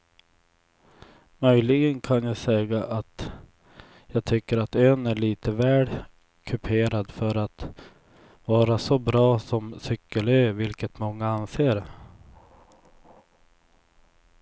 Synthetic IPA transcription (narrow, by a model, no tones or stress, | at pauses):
mœjlɪɡənkʰanjaːsɛːɡaʔat̪ | jɑːɡ̚t̪ʰʏkːəɾat̪øːnæɭiːt̪əvæːɖ | kʰɵpʰeːɾad̪fœɾat̪ | vɑːɾasɔbɾɑːsɔmsʏkːəløːvɪlkət̪mɔŋːaanseːɾ